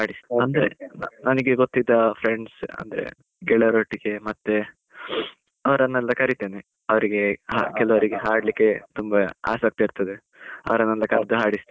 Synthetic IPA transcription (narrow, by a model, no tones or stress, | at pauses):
haːɽisɐnd̪ɐɾḛnnɐnɐɡeɡot̪ːid̪ːɐpʰɾeɳɖsɐ̰nd̪ɐɾḛ | ɡɛɭɐɾoːʈiɡe̞mɐt̪ːe | ɐʋɐɾɐnːɛlːɐkɐɾit̪eːne | ɐʋɐɾiɡe̞ha̰kɛlɐʋɐɾiɡeɦaːɽlikːe̞t̪umbɐa̰ːsɐk̚t̪ɐiɾt̪ɐd̪e | ɐ̰ʋɐɾɐnːɛlːɐkɐɾd̪uɦaːɽist̪